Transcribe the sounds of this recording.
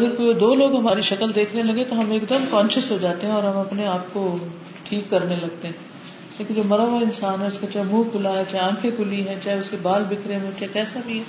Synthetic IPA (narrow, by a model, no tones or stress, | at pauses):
ɐɡəɾkoid̪oːloːɡɦɐmaːɾiʃɐkəld̪eːkʰnelɐɡet̪oɦɐmeːkd̪əmkɔ̃ːnʃəsɦod͡ʒaːt̪eɦɛ̃ɔːɾɦɐmɐpneaːp̚ko | ʈʰiːkːɐɾnelɐɡ̚t̪eɦɛ̃ː | leːkĩd͡ʒoːmɐɾaʋaɪnsaːnɦɛʊskat͡ʃaːɦɛmũːkʊlaɦɛt͡ʃaːɦeãːkʰekʊliɦɛt͡ʃaːɦɛʊskebaːlbɪkʰɾemẽt͡ʃaːɦekɛːsabʱiɦɛː